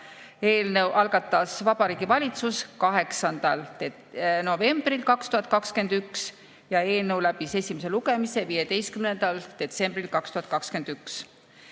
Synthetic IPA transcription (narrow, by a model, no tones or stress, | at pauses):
e̞ːlnəwʔɑlɡ̥ɑt̪ːˑɑsvɑb̥ɑɾiːɡ̥ivɑlʲit̪suskɑɦe̞ksɑnd̪̥ɑl | no̞ve̞mb̥rilkɑkst̪uhɑt̪̚ˑkɑkske̞nd̪̥yks | jɑe̞ːlnəwlæb̥ise̞sʲimese̞luɡe̞mise̞vije̞d̪e̞jst̪̚kymnend̪̥ɑld̪̥e̞t̪se̞mb̥rilkɑkst̪uhɑt̪̚kɑkskend̪̥yks